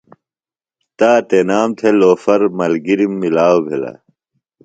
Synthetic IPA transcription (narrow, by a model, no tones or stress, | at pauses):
t̪aːt̪enaːmt̪ʰeloːfɐɾmɐlɡiɾimːilaːwobʱelɐ̰